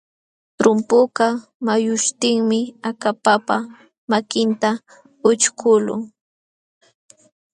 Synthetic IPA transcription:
t̪ɾʊmpʊkɑmajʊʃt̪ɪŋmɪakapapa | makɪnt̪a | ʊt͡ʃkʰʊlʊ̰

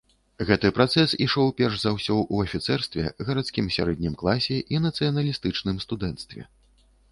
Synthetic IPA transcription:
ɣɛt̪ɨpɾat̪sɛsiʂɔwpʲɛrʐzawsʲɔwuɐfʲit̪sɛrst̪vʲɛ̰ɣɐɾat̪skʲimsʲa̰ɾɛd̪ʲnʲimklˠasʲɛʔinɐt̪sɨjɐnɐlʲist̪ɨt͡ʂnɨmst̪ud̪ɛnt̪st̪vʲɛ̰

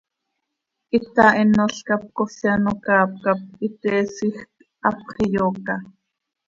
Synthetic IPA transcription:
ʔit̪ainoɬkap̚kosjanokaːp̚kap̚it̪ɛːsixk | ʔɑpχijoːkɑ

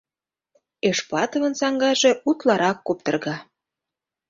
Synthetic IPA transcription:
eʃplɑt̪ə̆və̆nsɑŋɡɑʒe̽ut̪lɑɾɑkːop̚t̪ə̆rɣɑ

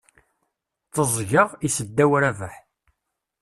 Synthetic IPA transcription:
θəzˤʝəʁisəd̪ːæwɾævəħ

